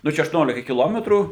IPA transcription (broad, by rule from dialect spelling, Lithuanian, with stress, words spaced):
ˈnʊ t͡ʃʲɛ ɐʃtʊˈnʲoːlʲɪkɐ kʲɪˈlˠoːmʲɛtruː